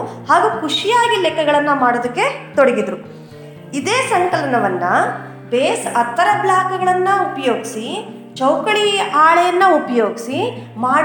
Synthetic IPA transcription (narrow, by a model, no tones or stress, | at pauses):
haːɡukuʂijaːɡilɛkːɐɡɐɭɐnːɐmaːɽod̪ɐkːe̞t̪oɽeɡid̪ɾu | id̪eːsɐŋkɐlɐnɐʋɐnːɐ | beːsɐt̪ːɐɾɐblaːkɐɡɐɭɐnːɐupɐjoːɡisi | t͡ʃɐwkɐɭiaːɭɛjɐnːɐupɐjo̞ːɡisimaː